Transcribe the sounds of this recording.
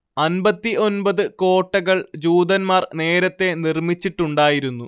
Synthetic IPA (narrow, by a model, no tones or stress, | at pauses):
ɐnbɐt̪ːiʔo̞nbɐðɨko̞ːʈːɐɣɐɭd͡ʑuːd̪ɐnmaːrne̞ːɾɐt̪ːe̞nirmit͡ɕːiʈːuɳɖaːjiɾunːu